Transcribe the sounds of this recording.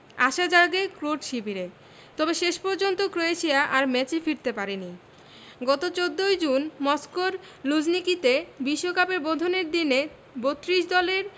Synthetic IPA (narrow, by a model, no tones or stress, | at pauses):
a̰ʃad͡ʑaɾɡekɾoʈʃibʱiɾe | t̪ɔbeʃeʃpɔɾd͡ʑont̪okɾoeʃiaʔaɾmɛt͡ɕefiɾt̪epaɾeni | ɡɔt̪ot͡ɕod̪ːojd͡ʑunmɔskoɾ | lud͡ʑnikit̪ebiʃːokapeɾbod̪ʱoneɾd̪ine | bot̪ːɾiʃd̪ɔleɾ